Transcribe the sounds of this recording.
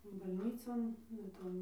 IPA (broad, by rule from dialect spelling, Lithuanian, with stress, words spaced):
bɐlʲˈnʲiːt͡soːn ʋɐ ˈtoːn